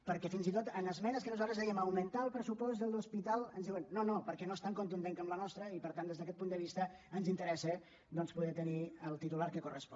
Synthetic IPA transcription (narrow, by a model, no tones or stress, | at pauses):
pəɾkɛfinzit̪ot̪ənəzmɛnəskənuzalˠt̪ɾəzðɛjəməwmənt̪aəlˠpɾəsupɔzd̪əlˠuspit̪alˠənzðiwənːonopəɾkɛnoest̪aŋkunt̪uneŋkəmlənɔst̪ɾəipəɾt̪and̪ezðəkɛt̪̚pund̪əβist̪əənzint̪əɾɛsə | d̪ɔnspuðɛt̪əniəlˠt̪it̪ulaɾkəkurəspɔ